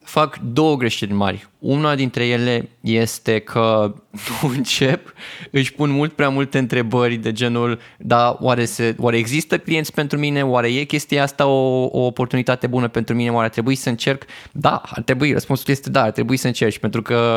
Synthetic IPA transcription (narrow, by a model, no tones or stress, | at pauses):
fakd̪o̞wəɡɾe̞ʃedʲinma̰rʲunad̪int̪ɾe̞je̞le̞je̞st̪e̞kʰənuɨnt͡ʃe̞pɨʃʲpunmult̪̚pɾeamult̪eɨnt̪ɾe̞bərʲd̪e̞d͡ʒe̞nuld̪awaɾe̞sewʔaɾe̞ːɡzist̪əklije̞nt̪sʲpent̪ɾumine̞owaɾe̞je̞kʲe̞st̪ijeast̪aoo̰ːpo̞rt̪unit̪at̪e̞bunəpe̞nt̪ɾumine̞waɾeat̪ɾe̞buisəɨnt͡ʃe̞rkd̪a̰a̰rt̪ɾe̞buirə̰spunsulje̞st̪e̞d̪aːrt̪ɾe̞buisəɨnt͡ʃert͡ʃʲpe̞nt̪ɾukə